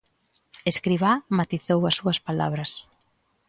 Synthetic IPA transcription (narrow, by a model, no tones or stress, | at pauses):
eskɾiβamat̪iθowɐsːuɐspala̰βɾɐs